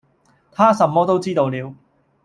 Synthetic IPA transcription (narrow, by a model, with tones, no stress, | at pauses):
t̪ʰaː˥sɐ˧mːɔː˥t̪o˥wt͡siː˥t̪o˧wliː˨˧w